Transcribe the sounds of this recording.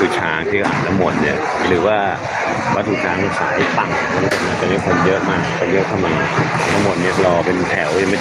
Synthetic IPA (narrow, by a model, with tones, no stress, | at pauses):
u˨˩t͡ɕʰaː˧˥ŋt̪ʰi˥˩a˧˩ʔa̰ː˨˩nːa˦˥mːo˨˩t̪̚ni˦˥˩ɐ | ɾɯː˩˦waː˥˩ | wa˦˥t̪ʰːuː˨˩t͡ɕʰaː˧ŋ˧sʰaː˩˦jpa˨˩ŋma˧˥n˧˩o˨˩n̚maː˧˥˩t͡ɕa˨˩ma˥˩kʰo˧njɤ˦˥ʔmaː˥˩k̚ta˧˩ji˧˥˨t̪ʰa˥˩ma˨˩n˩ʔaː˨˩nːa˦˥mo˨˩t̪̚ni˦˥˩ɐ˨lɔː˧pe˧nt̪ʰɛ˨˩˦wja˨ma˥˩